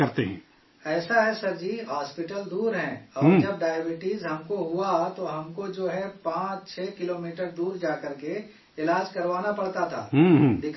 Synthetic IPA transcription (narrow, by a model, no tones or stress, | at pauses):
kɐɾt̪eɦɛ̰̃ː | ɛːsaɦɛsɐɾd͡ʒiɦaːspɪʈəld̪uːɾɦɛ̃ɔːɾd͡ʒɐb̚ɖaːjbɪʈizɦɐmkoɦuat̪oɦɐmkod͡ʒoːɦɛpãːt͡ʃt͡ʃʰɛːkɪloːmiːʈəɾd̪uːɾd͡ʒaːkɐɾke | ɪlaːd͡ʒkɐɾʋaːnapɐɽ̤t̪at̪ʰa̰ːɦɦd̪ɪkʰ